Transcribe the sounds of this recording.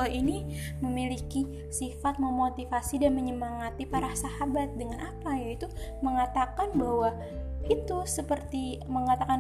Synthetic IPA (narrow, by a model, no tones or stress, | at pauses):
aini | məmiliki | sifat̪̚məmot̪ifasidanməɲəmaŋat̪ipaɾasahabat̪̚dəŋanapajait̪uməŋat̪akanbawa | it̪usəpərt̪iməŋat̪aka